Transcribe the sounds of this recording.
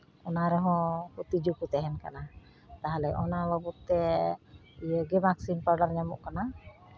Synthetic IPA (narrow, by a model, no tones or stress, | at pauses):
ɔnaɾɔɦɔ̃put̪id͡ʒukut̪ɛɦɛnka̰na | t̪aɦalɛʔɔnalɔbut̪ːɛ | ijəɡɛmaksinpaɾɖaɾɲamuʔkana